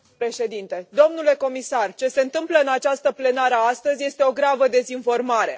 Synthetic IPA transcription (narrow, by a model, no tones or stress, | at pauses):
pɾe̞ʃe̞d̪int̪e̞d̪o̞mnule̞ko̞misart͡ʃe̞se̞ɨnt̪ɨmpləɨnat͡ʃast̪əple̞naɾəast̪əzʲje̞st̪e̞o̞ɡɾavəd̪e̞zinfo̞rmaɾe̞̰